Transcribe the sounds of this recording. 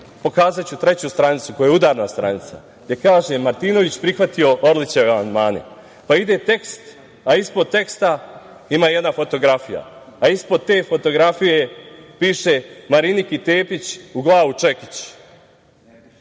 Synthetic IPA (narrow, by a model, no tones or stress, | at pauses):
po̞kaːzat͡ɕut̪ɾe̞t͡ɕust̪ɾanit̪suko̞jud̪aːɾnast̪ɾa̰nit̪sa̰ | ɡd̪ʲje̞kaːʒemaɾt̪ino̞ʋit͡ɕpɾixʋat̪io̞ʔoɾlit͡ɕeaʋeamand̪maːne̞̰ | paid̪e̞t̪e̞kst̪ | aispo̞d̪̚t̪e̞kst̪a | imaːjed̪nafo̞t̪o̞ɡɾafija̰ːispo̞d̪̚t̪e̞ːfo̞t̪o̞ɡɾafije̞piːʃe̞maɾinikit̪e̞ːpit͡ɕuɡlˠaːʋut͡ʃe̞kit͡ɕ